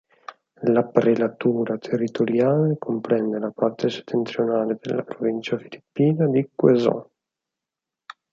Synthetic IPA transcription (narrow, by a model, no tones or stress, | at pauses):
lapɾelat̪uːɾat̪ʰerːit̪oɾjaːlekompɾɛnd̪elapart̪ʰese̥t̪ʰːent̪ɾjonaːled̪ḛlːa̰pɾovint͡ʃafilipːiːnad̪ikwezɔ̰̃